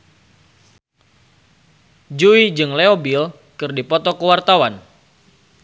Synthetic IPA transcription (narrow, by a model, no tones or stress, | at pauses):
d͡ʒuid͡ʒɨŋleobil | kɨrdipɔt̪ɔkəwart̪awan